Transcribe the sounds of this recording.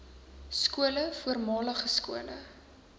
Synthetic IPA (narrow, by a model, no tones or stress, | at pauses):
skuələfuərmɑːləχəskuələ̰